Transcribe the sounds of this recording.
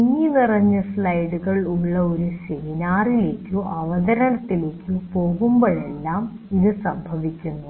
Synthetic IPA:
ɲːinirɐɲːɐsɭɐjɽuɣɐɭuɭːɐo̞ɾuɕejinaːrile̞ːkʲːuʔɐʋɐðɐɾɐɳɐt̪ːile̞ːkʲʰːupo̞ːɣumboɭe̞lːaːm | iðɨsɐmbʱɐʋikʲːunːu

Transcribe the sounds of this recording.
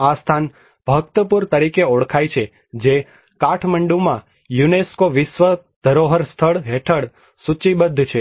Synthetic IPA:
ast̪ʰan | b̥ʱəɡ̚t̪əpuɾt̪əɾikeoɭkʰajt͡ʃʰe | d͡ʒe | kaʈʰməɳɖũmã | juneskoʋɪsʋəd̪̥ʱəɾoɦəɾst̪ʰəɭɦeʈʰəɭ | sut͡ʃibəd̪ʱːt͡ʃʰe

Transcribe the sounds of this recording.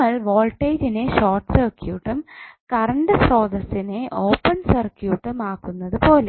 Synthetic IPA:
ɐɭʋo̞ːɭʈːeːd͡ʑineɕoːrʈsɐrkjuːʈːumkɐrɐɳɖɨsro̞ːðɐsine̞ʔoːpːɐnsɐrkjuːʈːɨmaːkːunːɐðɨpo̞ːle

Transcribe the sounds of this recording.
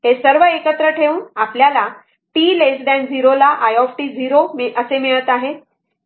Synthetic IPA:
hesəɾʋəekət̪ɾəʈʰeʋuːnapljala | ʈiːlesɖɛ̃nd͡zʱiɾolaʔajɔfʈiːd͡ziɾoməsemeɭət̪aɦe

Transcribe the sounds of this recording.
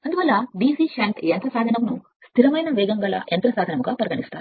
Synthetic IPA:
ɐnd̪uʋɐlːɐɖiːsiːʃɐɳʈent̪ɾɐsaːd̪ʱɐnɐmnu | st̪ʰiɾɐmɐjnɐʋɛːɡɐŋɡɐlɐ̰ent̪ɾɐsaːd̪ʱɐnɐmuɡaːpɐɾɡɐɳist̪aːɾu

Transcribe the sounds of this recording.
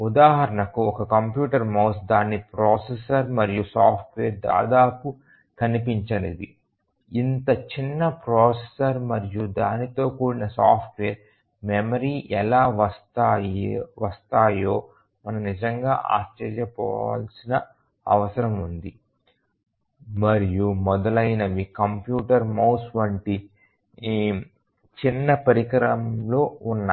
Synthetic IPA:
ud̪aːɦɐɾɐɳɐkuɔkɐkɐmpjuːʈɐɾmɐwsd̪aːnːipɾoːsesɐɾmɐɾijusaːpʰʈʋeːɾd̪a̰ːd̪aːpu | kɐnipiɲt͡ʃɐnid̪i | int̪ɐt͡ʃinːɐpɾoːsesɐɾmɐɾijud̪aːnit̪o̞ːkuːɽinɐsaːpʰʈʋeːɾ | memɐɾiːʔɛlaːʋɐst̪a | ʋɐst̪aːjoː | mɐnɐmnid͡ʒɐŋɡaːʔa̰ːt͡ʃɐɾjɐpɔ̰ːʋa̰ːlsinɐ | ɐ̰ʋɐsɐɾɐmund̪i | i | mɐɾijumɔd̪ɐlɐjnɐʋikɐmpjuːʈɐɾmɐwsʋɐɳʈi | t͡ʃinːɐpɐɾikɐɾɐmlo̞ːunːa

